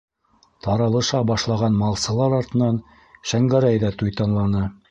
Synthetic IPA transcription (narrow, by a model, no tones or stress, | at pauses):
t̪ɑɾɑlˠɤ̆ʃɑbɑʃlˠɑʁɑnmɑlˠsɤ̆lˠɑɾɑɾt̪ɤ̆nɑn | ʃæŋɡæɾæjðæt̪ujt̪ɑnlˠɑnɤ